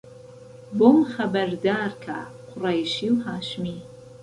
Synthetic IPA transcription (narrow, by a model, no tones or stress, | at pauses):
bomχɐbɐɾd̪aːrkʰa̰qʷʰʊraːjʃiwɦaːʃmi